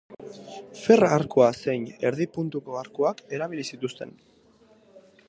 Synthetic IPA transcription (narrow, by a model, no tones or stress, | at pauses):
fe̞raaɾkuase̞jne̞ɾðipunt̪uko̞aɾkuake̞ɾaβ̞ilisit̪ust̪e̞̰n